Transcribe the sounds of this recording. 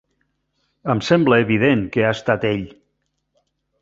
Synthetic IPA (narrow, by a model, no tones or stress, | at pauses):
əmsɛmbləːβiðeŋkeaəst̪at̪eʎ